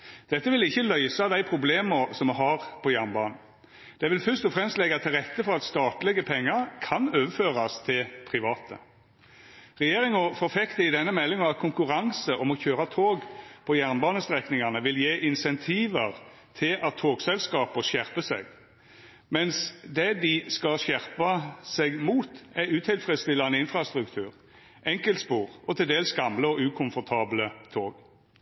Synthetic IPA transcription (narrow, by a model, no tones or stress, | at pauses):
d̪̥ɛt̪ːəʋɪlɪçːəlœʏsɑd̪æɪpʰʁʊbleːməɾsɔmɛɦɑʁpʰɔjæʁnbɑːnn̩ | d̪̥ɛʋɪlfœʁʂt̪ɔfɾɛmst̪lɛɡɑt̪ʰɪlʁɛt̪ːəfɔɾɑt̪st̪ɑːt̪lɛɡəpʰɛŋːəɾkʰɑnøːʋəføːʁɑst̪ʰɪlpʰɾɪʋɑːt̪ʰə̰ | ʁɛjeːʁɪŋɔfɔɾfɛkt̪əɪd̪ɛnːəmɛlːɪŋɑɑt̪̚kʰʊŋkʉʁɑŋsəʔɔmɔçøːɾɑt̪ʰoːɡpʰɔjæʁnbɑːnəst̪ʁɛknɪŋɑnəʋɪljeːʔɪnsɛnt̪ʰiːʋəʁ | t̪ʰɪlʔɑt̪ʰːoːɡsɛlskɑːpəʃæʁpəsɛ̰ɡ | mɛnsd̪ɛd̪ɪskɑlɕjæʁpɑsɛɡmuːt̪æʁʉːt̪ʰɪlfʁɛd̪st̪ɪlɑnəɪnfɾʁɑst̪ʁʉkt̪ʰʉːʁ | ʔɛŋkəlt̪spuːʁɔt̪ʰɪld̪eːlsɡɑmləɔʉːkʰʊnfɔʁt̪ʰɑːblət̪ʰoːɡ